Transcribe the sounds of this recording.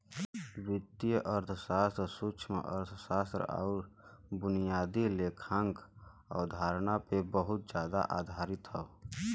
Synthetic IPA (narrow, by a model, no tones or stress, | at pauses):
wɪt̪ːijəʔəɾt̪ʰəsaːst̪ɾəsut͡ʃʰmḛʔə̰ɾt̪ʰsaːst̪ɾə̰a̰ːɾbʊnijaːd̪ileːkʰãŋk | ɔ̰ːd̪ʱaːɾnapebəɦʊt̪̚d͡ʒjaːd̪a̰ʔaːd̪ʱaːɾɪt̪ɦɛo